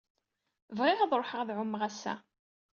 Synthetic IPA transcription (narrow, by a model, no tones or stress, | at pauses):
vʁɪʁɑðˤɾˤoħəʁðʕʊmːʁæsːæ̰